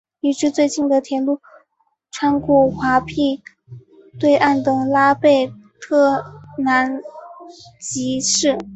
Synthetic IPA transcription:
i˧˥˩ʈ͡ʂɻ̩˥˧t͡swe˥˧ɪt͡ɕi˥˩nd̪ə˩t̪ʰjɛ˧˥nlu˥˩ | ʈ͡ʂʰwa˥nkwɔ˥˩xwa˧˥pʰi˥˩ | t̪we˥˧ɪʔa˥˩nt̪ɤ˨˩ŋla˥pe˥˩ɪt̪ʰɤ˥˩na˧˥n | t͡ɕi˧˥ʂɻ̩˥˩

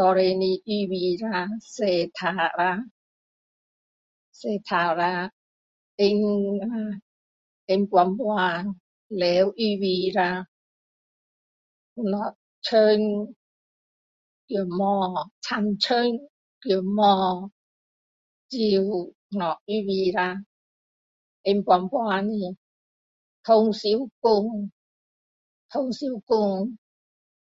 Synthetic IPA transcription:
t̪ɔ˧ɾe˧ni˧ʔi˧wi˧ɾa˧se˧˩t̪ʰa˧˩ɾa˧ | se˧˩t̪ʰa˨˧˩ɾa˧ | ʔɪ˧ŋa˧ | ʔɪ˧ŋkwa˧mwa˧ŋ | lɛ˨˦wʔi˧wi˧ɾa˧ | u˧nɔ˨˩ | t͡ɕʰə˧ŋ | ki˧˩˨mɔː˧˩t͡sʰa˧˩nt͡ɕʰø˦˧˥ŋ | ki˧˩˨mɔː˧ | t͡si˧w | nɔ˨˩k̚iː˧˥wiː˧ɾa˧ | ʔe˧mkwʷa˧mpwaː˧ni˧˩ | t̪ʰo˧ŋsi˨˦wkʊ˧ŋ | t̪ʰo˧ŋsi˨˧˦wkʊ˧ŋ

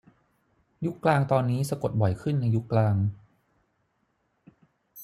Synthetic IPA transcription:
ju˦˥kːlaː˧ŋt̪ɔː˧nːiː˦˥sa˧ko˨˩t̪̚bɔ˨˩jkʰɯ˥˩nːa˧jːu˦˥kːlaː˧ŋ

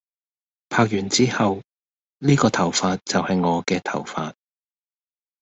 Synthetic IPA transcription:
pʰaː˧k̚jyː˨˩nt͡siː˥hɐ˨w | liː˥kɔː˧t̪ʰɐ˨˩wfaː˧t̚t͡sɐ˨whɐ˨jŋɔː˨˧kɛː˧t̪ʰɐ˨˩wfaː˧t̚

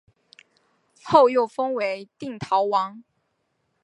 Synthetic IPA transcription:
xo˥˧ʊjo˥˩ʊfə˥ŋwe˧˥ɪt̪i˥˩ŋt̪ʰɑ˧˥ʊwɑ˧˥ŋ

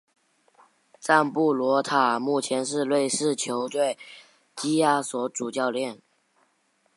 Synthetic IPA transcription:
t͡sa˥˧npu˥˩lwɔ˧˥t̪ʰa˨˩mu˥˩t͡ɕʰjɛ˧˥nʂ̬ɻ̩˥˧lwe˥˧ɪʂɻ̩˥˩t͡ɕʰjo˧˥ʊt̪we˥˩ɪ | t͡ɕi˥ja˥˩swɔ˧˥ʈ͡ʂu˨˩t͡ɕjɑ˥˧ʊljɛ˥˩n

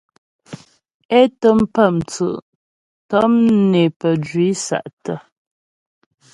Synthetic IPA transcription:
e˦tə˦m̩˦pə˦˨mt͡sə̰˨ʔ | tə˦mne˨pə˨d͡ʒɥi˨˦sa̰˨ʔtə˨

